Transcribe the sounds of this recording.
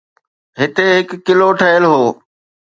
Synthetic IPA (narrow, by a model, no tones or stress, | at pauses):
ɦɪt̪eɦɪkːɪloːʈʰəɪlɦoː